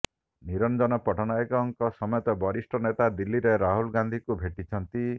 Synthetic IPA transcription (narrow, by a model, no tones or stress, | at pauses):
niɾɔnd͡ʒɔnɔpɔʈʰɔnaekɔŋkɔsɔmɔjɔt̪ɔbɔɾisʈʰɔnet̪ad̪ilːiɾeɾaɦulɡand̪ʱikubʱeʈit͡ʃʰɔnt̪i